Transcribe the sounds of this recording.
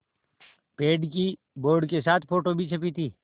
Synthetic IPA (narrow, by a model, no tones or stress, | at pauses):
peːɖki | boːɾɖkesaːt̪ʰpʰoːʈobʱit͡ʃʰɐpit̪ʰiː